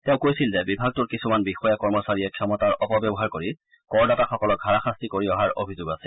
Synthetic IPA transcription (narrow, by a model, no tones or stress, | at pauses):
teʊ̃kojsilzɛbibʱaɡ̚tuɹkisumanbixɔjakɔɹmɔsaɹijɛkʰɛmɔtaɹʔɔpɔbjɔbɔɦaɹkoɹi | kɔɹdataxɔkɔlɔk̚aɹaxastikoɹiɔɦaɹo̰bʱizoɡasɛ̥